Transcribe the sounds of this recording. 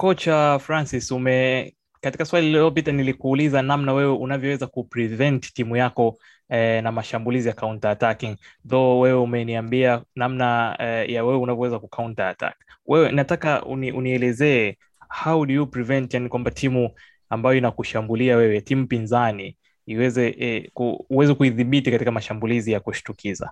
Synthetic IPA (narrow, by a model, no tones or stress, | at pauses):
kɔt͡ʃafɾansisumɛ | kati̥kaswaliliɔp̬itanilikuːlizanamnawɛwɛʔunavjɔwɛzakupɾivɛnttimujakɔ | namaʃambulizijakauntaːtakiŋðɔwɛwɛumɛniambianamnajawɛwɛunavjɔwɛzakukauntaatʰa̰kwɛwɛinatakaṵniʔuniɛlɛzɛɛ | hawɗujupɾivɛntjanikwambatʰimu | ambajɔinakuʃambuliawɛwɛtimupinzaniː | wɛzɛkuuwɛzɛkuiðiɓitikatikamaʃambulizijakuʃi̥tukʰiza̰